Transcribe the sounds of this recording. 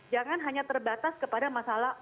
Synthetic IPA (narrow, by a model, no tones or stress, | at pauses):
d͡ʒaŋanɦaɲat̪ərbat̪askəpadamasalah